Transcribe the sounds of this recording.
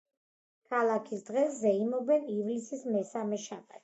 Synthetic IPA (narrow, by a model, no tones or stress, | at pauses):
kʰalˠakʰisd̪ʁɛszɛimɔbɛnivlisismɛsamɛʃabʼat̪